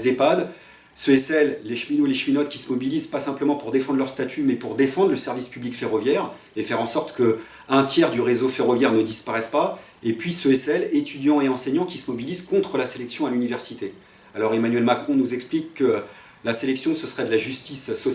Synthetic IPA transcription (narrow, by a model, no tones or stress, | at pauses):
zepad̪ | søɛsɛlːeʃminoleʃminɔd̪̚kʲi̥səmɔbilizpasɛ̃pləmɑ̃puʁd̪efɑ̃d̪ʁlœʁst̪at̪ʰymɛpuʁd̪efɑ̃d̪ʁləsɛʁvispyblikfeʁɔvjɛʁ | efɛʁɑ̃sɔʁt̪kə | ɛ̃t̪jɛʁd̪yʁezofeʁɔvjɛʁnəd̪ispaʁɛspa | epɥisøɛsɛlet̪yd̪jɑ̃eɑ̃sɛɲɑ̃kʲisəmɔbilizkɔ̃t̪χəlaselɛksjɔ̃alynivɛʁsit̪e | alɔʁemanɥɛlmakχɔ̃nuzɛksplikːə | laselɛksjɔ̃səsəʁɛd̪əlaʒyst̪isːɔ